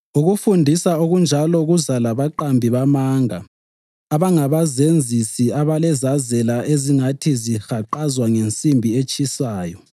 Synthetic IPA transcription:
uɣufundʱisaoɣund͡ʒʱalɔɣuzalaβaǃambʱiβamaŋa̰ | aβaŋaβazend͡zʱisiaβalɛzazɛlaʔeziŋatʰizixaǃazwaŋent͡sʼimbʱiet͡ʃʼisaːjɔ

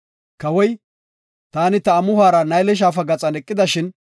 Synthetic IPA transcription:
kɐwɔj | t̪aːnɪt̪ɐːmʊhaːɾɐnɐjlɛʃ̬aːfɐɡɐt͡sʼɐnɛkʼːɪd̪ɐʃɪn

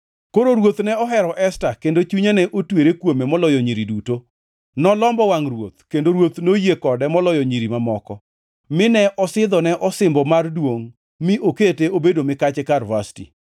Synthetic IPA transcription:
koɾoɾwot̪nɛɔɦɛɾɔʔɛstakendot͡ʃuɲanɛʔotweɾekwomemɔlɔjɔɲiɾiduto | nɔlɔmbɔwaŋrwo̰t̪̚kendoɾwot̪nojekɔdɛmɔlɔjɔɲiɾimamɔkɔ | mɪnɛʔɔsɪd̪ɔnɛʔɔsɪmbɔmardwoŋ | mɪʔoketeobedomɪkat͡ʃɛkarvastḭ

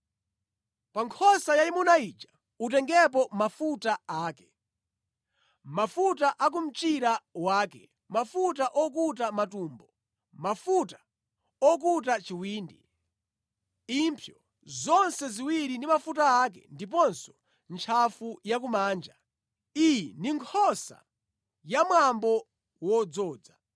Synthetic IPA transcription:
paŋkʰɔsajaimunait͡ʃḁ | utɛŋɡɛp̬ɔmafutaaːkɛ̥ | mafutaʔak̬um̩t͡ʃiɾawaːkɛ | mafutaʔɔk̬utamatuːmbɔ | mafutḁ | ɔk̬ut̬at͡ʃiwiːndi | impʰjɔ | zɔnsɛziwiɾindimafutaːkɛ̰ndip̬ɔnsɔ̥ | nt͡ʃʰafujak̬umaːnd͡ʒa | ijindiŋkʰɔsa̰ | jamwambɔ | wɔd͡zɔːd͡za

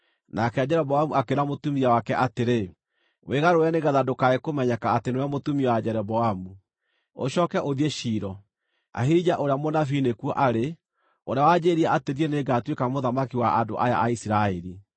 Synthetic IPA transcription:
nakɛad͡ʑɛɾɔβɔamuakeɾamotumiawakɛʔateɾe | weɣaɾojaneɣaðadokaekomɛɲakaːtenoamotumiɔad͡ʑɛɾɔβɔamu | o̰ɕɔːkɛʔoðieʃiːɾɔ | a̰ɦiid͡ʒaʔoɾeamonafinekuɔʔaɾe | oɾeawad͡ʑeɾiaateðiɛneɡatwekamoðamakiwaʔando̰ʔaja̰ʔaisiɾaɛɾi

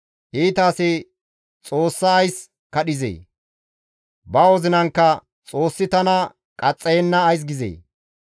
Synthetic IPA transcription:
hiːt̪aːse | t͡sʼoːsːɐːjs | kɐɗɪzḛː | bɐwɔzɪnɐŋkːɐ | t͡sʼo̞ːsːɪt̪ɐnɐ | kʼɐt͡sʼːɛjɛnːɐːjs̬ɡɪzḛː

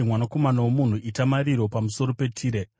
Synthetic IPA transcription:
mwanako̞manawomun̤uʔitamaɾiɾo̞pamuso̞ɾo̞pe̞tʰiːɾe

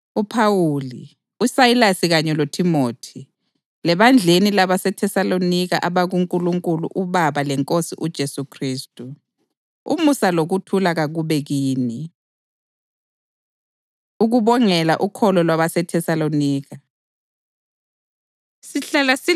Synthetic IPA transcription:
upʰawuːli | usajilasiɣaɲɛlotʰimoːtʰi | lɛβand͡ɮʱenilaβasɛtʰɛsalonikaʔaβaɣuŋkʼuluŋkʼulṵʔuβaβalɛŋkʼosiʔud̥ʒ̥ʱesukʰriːstʼu | ṵmusaloɣutʰulaɣaɣuβɛɣiːni | uɣuβɔŋɛla̰ʔukʰɔlɔlwaβasɛtʰɛsaloniːɣa | siɬalasi

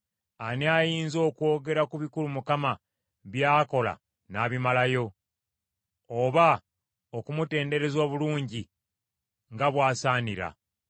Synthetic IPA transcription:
aneajiːnzo̞ːkwo̞ːɡe̞ɾakuβikulumukama | βjaːko̞la̰ | naːβimalajo̞ | oβa | okumute̞ːnde̞ɾe̞zwaβuluːɲɟi | ŋɡaβwaːsaːniɾa̰

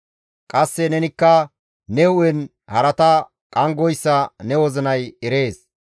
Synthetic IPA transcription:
kʼɐsːɛnɛnɪkːɐ | nɛʊɛn | hɐɾɐt̪ɐ | kʼɐŋɡɔjsːɐnɛwɔzɪnɐjɛɾe̞ːs

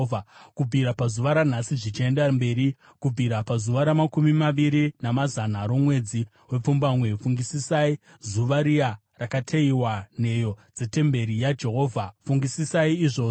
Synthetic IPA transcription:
akub͡vʱiɾapazuʋaɾan̤asiʐit͡ʃie̞ndambe̞ːɾi | kub͡vʱiɾapazuʋaɾamakumimaʋiɾinamazanaɾo̞mwe̞d͡zi | we̞p͡fumbamwe̞fuŋɡisisai | zuʋaɾia | rakatʰeiwan̤e̞jo̞d͡ze̞te̞mbe̞ɾijad͡ʒe̞ɦo̞ːvʱafuŋɡisisaiːʐo̞ː

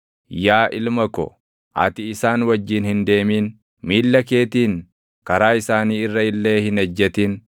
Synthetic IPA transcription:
jaːʔɪlmɐkɔ̰ | ʔɐ̰t̪ɪɪsaːnwɐd͡ʒːɪnhɪnd̪e̞ːmiːn | miːlːɐke̞ːt̪iːn | kɐɾaːɪsaːniːɪrːɐɪlːe̞ːhɪnɐd͡ʒːɛt̪iːn

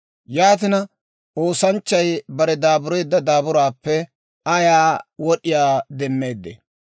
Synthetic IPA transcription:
jaːt̪̬ɪnɐ | ʔo̞ːsɐnt͡ʃːɐjbɐɾɛd̪aːbʊɾɔjd̪ːɐd̪aːbʊɾaːpːɛ | ɐjaːwɔɗɪjaːd̪ɛmːeːd̪ːḛ

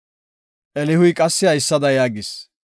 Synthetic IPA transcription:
ʔɛlɪhʊjkʼɐsːɪɐjsːɐd̪ɐjaːɡɪs

